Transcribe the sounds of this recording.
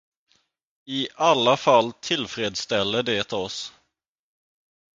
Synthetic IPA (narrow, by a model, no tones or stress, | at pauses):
ɪʔalːafalːt̪ʰɪlfɾeːd̪st̪ɛlːəɖeːt̪ʰɔs